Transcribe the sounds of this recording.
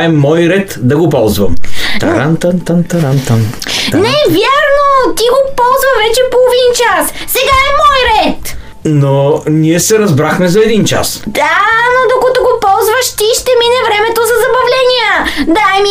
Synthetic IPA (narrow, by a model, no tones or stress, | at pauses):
ɛmɔjɾɛt̪d̪ɐɡopɔlˠzvɐ̰mt̪ɐ̰ɾant̪ant̪ant̪ɐɾant̪an | nɛvʲjaɾnot̪iɡopɔlˠzvɐvɛt͡ʃɛpolˠovint͡ʃas | sɛɡaɛmɔjɾɛt̪ | noniɛsɛɾɐzbɾaxmɛzɐɛd̪int͡ʃa̰sd̪̥anod̪okɐt̪oɡopɔlˠzvəʃt̪iʃt̪ɛminɛvɾɛmɛt̪ozɐzɐbɐvlɛnijəd̪ajmi